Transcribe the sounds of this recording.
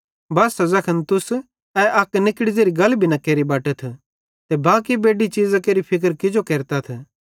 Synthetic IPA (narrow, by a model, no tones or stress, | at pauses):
bɐːsɐzɐkʰənt̪ʊs | ɛʔɐknɪkɽizeːɾiɡɐlbʱinɐkeːɾibaːʈət̪ʰ | t̪ebaːkibeːɖit͡ʃiːzakeːɾipʰɪk̬əɾkɪd͡ʒokeːɾt̪at̪ʰ